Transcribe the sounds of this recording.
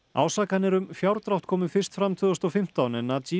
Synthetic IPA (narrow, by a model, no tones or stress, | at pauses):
a̰ːwsaːkanɪɾʏmfjawɾt̪ɾawht̪̚kʰɔːmɪfɪr̥st̪fɾamt̪ʰʏːðʏst̪ɔfɪm̥t̪awnɛnːai